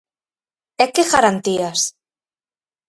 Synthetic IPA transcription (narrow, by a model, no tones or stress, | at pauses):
ekeɣaɾant̪ias